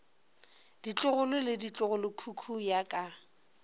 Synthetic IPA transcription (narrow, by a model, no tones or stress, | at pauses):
d̥it͡ɬʼʊɣʊlʊlɪdit͡ɬʼʊɣʊlʊkʰukʰujakʼa